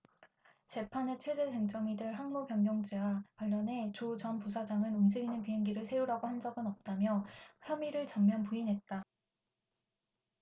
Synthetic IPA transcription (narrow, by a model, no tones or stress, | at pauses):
t͡ɕe̞pʰanet͡ɕʰwe̞deɦeŋt͡ɕ͈ʌmidɯɭɦaŋmopjʌŋjʌŋd͡ʑiwakwaʎːʌne̞t͡ɕot͡ɕʌnpus̬ʰad͡ʑaŋɯnumd͡ʑiɡinɯnpiɦeŋɡiɾɯɭsʰe̞uɾaɡohand͡ʑʌɡɯnʌp̚t͈amjʌçjʌmiɾɯɭt͡ɕʌmːjʌnpuinɦe̞t̚t͈a